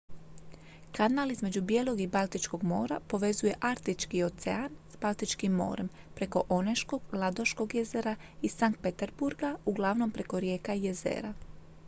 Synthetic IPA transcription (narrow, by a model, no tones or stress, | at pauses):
kanaːlizme̞d͡ʑubje̞ːlˠo̞ɡibalˠt̪it͡ʃko̞ɡmo̞ːɾapo̞ʋe̞zuje̞ʔaɾt̪it͡ʃkio̞t̪sḛanz̥balˠt̪it͡ʃkimːo̰ːɾe̞m | pɾe̞ko̞ʔoneʃko̞ɡlˠad̪o̞ʃko̞ɡjeze̞ɾaisaŋkt̪̚pe̞t̪e̞ɾbuɾɡauɡlˠaʋno̞mpɾe̞ko̞ɾje̞ːkaje̞zḛːɾa